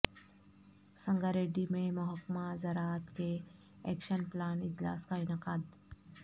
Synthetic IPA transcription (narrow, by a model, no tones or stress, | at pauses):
sɐ̃ŋɡaɾeːɖimẽmɐɦəkmazɐɾaːt̪ke | ɛkʃənplaːnɪd͡ʒla̰ːskaɪnəqaːd̪